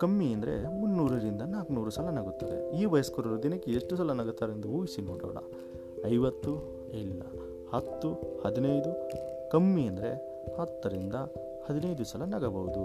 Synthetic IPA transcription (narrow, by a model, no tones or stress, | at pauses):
kɐmːiɐnd̪ɐɾe̞̰unːuːɾɐɾind̪ɐnaːknuːɾusɐlɐnɐɡut̪ːɐd̪ḛiːʋɐjɐskoɾɐɾud̪inɐkːeeʂʈusɐlɐnɐɡɐt̪ːɐːɾend̪uuːjsinoːɽɐ̰ʋɽɐ̰ | ɐjʋɐt̪ːu | ilːɐ̰ | hɐt̪ːuhɐd̪inɐjd̪ukɐmːiɐnd̪ɐɾe̞̰ | hɐt̪ːɐɾind̪ɐ | hɐd̪inɐjd̪usɐlɐnɐɡɐbɐʋud̪u